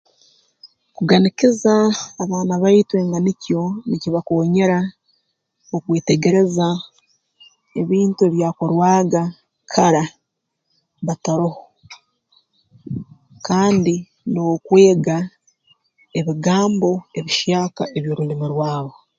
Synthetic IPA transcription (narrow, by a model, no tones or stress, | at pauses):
kuɡanikizaːβaːnaβaitwe̞ːŋɡanicjo̞niciβakoːɲe̞ɾa | okwe̞ːte̞ɡe̞ɾe̞za | e̞βiːntue̞βjaːko̞ɾwaːɡa | kʰaɾa | βataɾoho | kaːndi | no̞kwe̞ːɡa | eβiɡaːmbo̞e̞βiʃjaːkaʔe̞βjo̞ːɾulimiɾwaːβo̞